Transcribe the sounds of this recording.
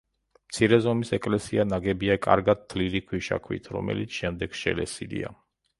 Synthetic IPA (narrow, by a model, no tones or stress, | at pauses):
mt̪sʰiɾɛzɔmisɛkʼlɛsianaɡɛbiakʼaɾɡad̪̚ːʰliɾikʰwiʃa̰kʰwḭt̪ʰɾɔ̰mɛ̰lit̪sʰʃɛmd̪ɛɡ̥ʃɛ̰lɛsilḭa